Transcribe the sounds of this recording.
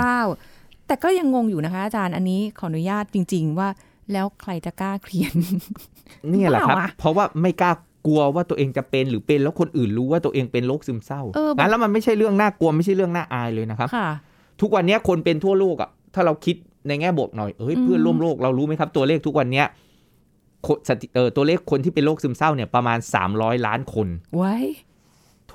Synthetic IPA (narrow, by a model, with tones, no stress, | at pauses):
kaː˥˩wt̪ɛː˨˩kɔː˥˩ja˧ŋːo˧ŋjuː˨˩na˦kʰa˦˥ʔaː˧t͡ɕaː˧nʔa˧nːiː˦˥kʰɔ˩˦ʔa˧nu˦jaː˥˩t̪̚t͡ɕi˧ŋt͡ɕi˧ŋwaː˥˩ | lɛː˦˥wkʰɾa˧jt͡ɕa˨˩kaː˥˩kʰli˧˩ən | ni˥˩lɛ̰˨˩˥a˦˥a˧˩pʰːɔ˦˥waː˥˩ma˥˩jkaː˥˩ | ku˧ɐwaː˥˩u˧ɐʔeː˧ŋt͡ɕa˨˩pe˧nɾɯː˩˦pe˧nlɛː˦˥wkʰo˧nʔɯː˨˩nɾuː˦˥waː˥˩t̪u˧ʔeː˧ŋpe˧nloː˥˩k̚sɯ˧msa˥˩wʔɤː˧aː˦˥nlɛ˦˥wma˧nma˥˩jt͡ɕʰa˥˩jɾɯ˥˩əŋnaː˥˩ku˧ɐma˥˩jt͡ɕʰa˥˩jɾɯ˥˩əŋnaː˥˩ʔaː˧jlɤː˧jna˦˥kʰa˦˥pʰ | t̪ʰu˦˥k̚wa˧nːi˦˥ɐkʰo˧npe˧nt̪ʰu˥˩ɐloː˥˩k̚a̰˨˩t̪ʰaː˥˩ɾa˧wkʰi˦˥t̪̚ | na˧jŋɛː˥˩bu˨˩ək̪̚nɔ˨˩jʔɤː˦˥˩jpʰɯ˥˩ənɾu˥˩əmloː˥˩k̚ɾa˧wɾuː˦˥ma˦˥jkʰa˦˥p̚t̪u˧ɐleː˥˩t̪ʰu˦˥k̚wa˧nːi˦˥ɐ | kʰo˧sa˨˩t̪ʰi˨˩ʔɤː˨˩t̪u˧ɐleː˥˩kʰːo˧nt̪ʰiː˥˩pe˧loː˥˩k̚sɯ˧msa˥˩wni˥˩ɐpɾa˧maː˧nsa̰ː˩˦mɾɔː˦˥jlaː˦˥nkʰo˧n | t̪ʰ